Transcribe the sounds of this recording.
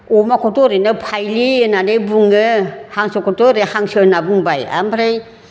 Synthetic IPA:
ɔmakʰɔtɔɾɯnɯpʰajlienanebuŋɯhaŋsɯkʰɔtɔɾehaŋsɯnabuŋbaja̰mpʰɾej

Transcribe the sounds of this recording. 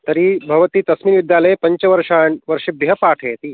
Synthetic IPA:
t̪ɐɾibʱɐʋət̪iːt̪ɐsmiːnʋid̪jaləjpɐɲt͡ɕəʋɐɾʂaɳʋəɾʂebiɦɐpaʈʰeet̪iː

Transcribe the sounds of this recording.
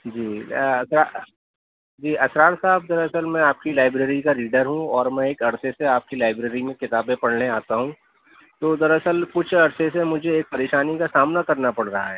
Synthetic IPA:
d͡ʒiːɐsɾaː | d͡ʒiːʔɐsɾaːɾsaːbd̪ɐɾɐsəlmɛ̃aːp̚kilaːɪbɾeːɾikaɾiːɖəɾɦũɔːɾmɛ̃eːkɐɽseseaːp̚kilaːɪbɾeːɾimẽkɪt̪aːbẽpɐɽ̤neaːt̪aɦũ | t̪oːd̪ɐɾɐsəlkʊt͡ʃʰɐɽsesemʊd͡ʒʱeːk̚pɐɾeːʃaːnikasaːmnakɐɾnapɐɽɾɐɦaɦɛː

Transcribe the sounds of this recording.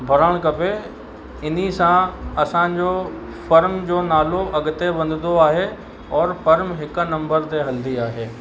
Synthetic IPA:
bʱɐɾəɽ̃kɐpe | ɪn̤isãɐsãd͡ʑoː | fɐɾmd͡ʑoːnaːloʔɐɡɪt̪ebɐ̃nd̪ɪnd̪oaːɦe | ɔːɾfɐɾmɦɪknɐ̃mbəɾt̪eɦɐld̪iaːɦeː

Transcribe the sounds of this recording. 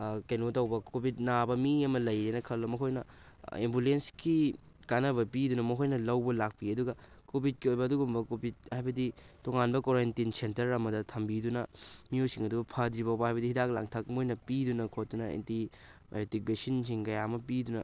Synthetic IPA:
kɐjnotɐwbɐkobʱit̚nabɐmiɐmɐlɐjɾenɐkʰɐlːɐmɐkʰojnɐ̰ | embulenski | kanɐβɐpidunɐmɐkʰojnɐlɐwbɐlak̚piɐduɡɐ | kobʱit̚kiojbɐːduɡumbɐkobʱit̚hajbɐditoŋanbɐkoɾentinsentɐɾɐmɐdɐtʰɐmbidunɐmijojsiŋɐdubɐpʰɐdɾibɐwbɐɦajbɐdihidak̚la̰ŋtʰɐk̚mojnɐpidunɐkʰot̚tːunɐḛntiba̰jotik̚besinsiŋkɐjamɐpidunɐ̰

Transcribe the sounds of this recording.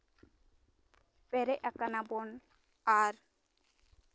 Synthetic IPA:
pɛɾɛʔakanabɔn | aɾ

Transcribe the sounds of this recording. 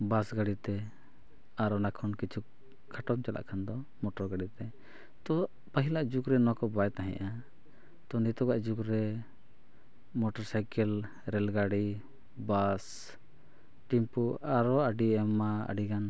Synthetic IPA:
basɡaɽit̪ɛ | aɾɔnakʰɔnkit͡ʃʰuk | kʰːaʈɔmt͡ʃala̰ʔkʰand̪ɔ | mɔʈɔɾɡaɖit̪ɛ | t̪ɔ | pəɦilaʔd͡ʒukɾɛnɔakɔbajt̪aɦɛ̰̃ʔa | t̪ɔnit̪ɔɡaʔd͡ʒukɾɛ | mɔʈɔɾsajkɛl | ɾɛlɡaɽi | bas | ʈimpuaɾɔəɖiɛmaə̰ɖiɡan

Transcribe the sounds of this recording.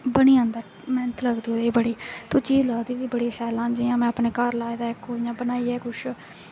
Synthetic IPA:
bəɽiːãːnd̪aː | mɛːnət̪ʰləɡd̪id̪eːbəɽiːt̪oːt͡ʃiːzləɡd̪iːd̪iːbəɽiːsɛːlãːnd͡ʒiãːmɛ̃ːəpneːkəɾlaːeːd̪aːɪkoːjãːbənaːiːɛːkʊʃ

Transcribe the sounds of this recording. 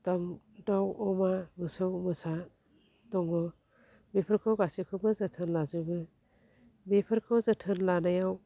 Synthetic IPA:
taŋ | dawɔmamɯsɯwmɯsa | tɔŋɔ | mepʰɯɾkʰɯwɡasikʰɯbɯzɯtʰɯnlazɯbɯ | mepʰɯɾkʰɯwzɯtʰɯnlanajaw

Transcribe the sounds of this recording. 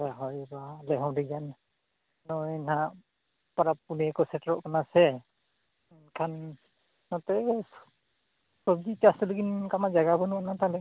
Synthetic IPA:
ɛɦɔjbalɛɦɔ̃wdiɡan | nɔjna | paɾapunɛkɔsɛtɹɔʔkanasɛ | kʰanː | ɔtɛ | sɔbdit͡ʃastɔliɡinkamazaɡabɔnuanatalɛ

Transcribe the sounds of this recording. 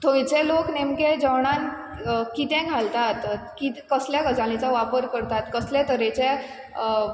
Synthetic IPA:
t̪ʰõĩt͡seloknemked͡ʑəwɳ̃ãn | kit̪ɛ̃ɡʱalt̪at̪kit̪kəsljakəd͡zalĩt͡saʋapəɾkəɾt̪at̪kəslẽt̪əɾet͡ɕe

